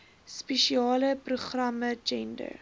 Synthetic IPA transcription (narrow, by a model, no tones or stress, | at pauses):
speʃiɑːləpruχrɐməd͡ʒɛndə̰r